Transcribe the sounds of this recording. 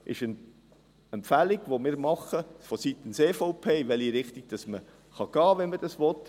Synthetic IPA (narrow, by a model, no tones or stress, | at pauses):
ʔɪ̰ʃən | ɛmpfæliɡ̥ʋomɪːɾmɑχəfɔsit̪ənseːfoʊpʰeːɪʋɛliɾɪχtiɡ̥̚d̥ɑsmə | χɑɡ̥ɑːʋɛnməd̥ɑsʋɔt̪